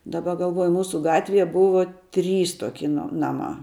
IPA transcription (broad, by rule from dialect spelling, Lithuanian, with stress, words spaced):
dɐˈbɐ ɡɐlˠˈʋuɔjʊ ˈmuːsʊ ˈɡɑːtʲʋʲiɛ ˈbʊʋoː ˈtʲrʲiːs ˈtoːkʲɪ noː ˈnɑːmɑː